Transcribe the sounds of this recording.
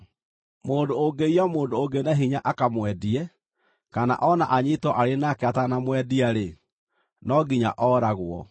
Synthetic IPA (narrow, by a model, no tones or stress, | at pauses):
moːndoːŋɡeijɔmoːndooɡenaɦiɲaʔakamwɛdiɛ | kana̰ʔɔnaʔaɲitɔʔaɾenakeatanamwɛdiaɾe | nɔɡiɲa̰ʔɔːɾaɣwɔ̰